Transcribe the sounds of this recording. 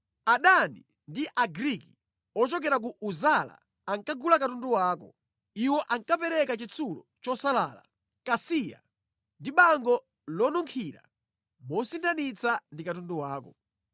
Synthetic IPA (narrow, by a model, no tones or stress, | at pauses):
aɗanḭ | ndiʔaɡɾiki | ɔt͡ʃɔk̬ɛɾak̬uʔuzala̰ | aŋkaɡulakatunduwaːkɔ | iwɔʔaŋkapɛɾɛkat͡ʃit͡sʰulɔt͡ʃɔsalaːla̰ | kasija̰ | ndiɓaŋɡɔ | lɔnuŋkʰiɾa̰ | mɔsintʰanit͡sandikatunduwaːkɔ